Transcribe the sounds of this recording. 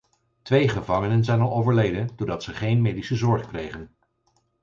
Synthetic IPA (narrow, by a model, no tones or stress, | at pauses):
tʋejχəvɑŋənənzɛjnɑlˠowvəɹlejdəndoːɹdɑtsəχejnmejdisəzɔɹχkrejχən